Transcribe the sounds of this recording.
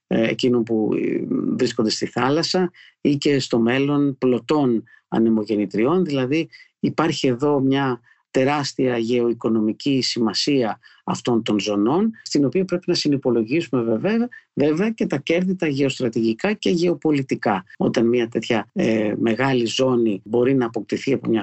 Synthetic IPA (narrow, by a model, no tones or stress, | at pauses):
ḛcino̞npu | vɾisko̞nd̪e̞st̪iθɐlɐsɐ | ice̞st̪o̞me̞lo̞nplo̞t̪o̞n | ɐ̰nemo̞ʝe̞nit̪ɾio̞nðilɐðiː | pɐɾçie̞ðo̞mɲɐ | t̪e̞ɾɐst̪iɐʝe̞o̞iko̞no̞micisimɐsiɐ | ɐ̰ft̪o̞nt̪o̞nzo̞no̞nst̪ino̞piɐpɾe̞pinɐsinipo̞lo̞ʝisume̞veveve̞ve̞ɐce̞t̪ɐce̞ɾðit̪ɐʝe̞o̞st̪ɾɐt̪iʝikɐce̞ʝe̞o̞po̞lit̪ikɐo̞̰t̪ɐnmiɐt̪e̞t̪çɐme̞ɣɐlizo̞nibo̞ɾinɐːpo̞k̚t̪iθiɐpo̰mɲɐ